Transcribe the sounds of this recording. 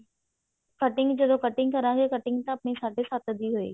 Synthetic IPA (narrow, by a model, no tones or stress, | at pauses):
kɐʈɪ̃ŋɡd͡ʑɐd̪okɐʈɪ̃ŋɡkɐɾãːɡekɐʈɪ̃ŋɡt̪ãɐpnisaːɖʱesaːt̪əd̪iɦʊḛː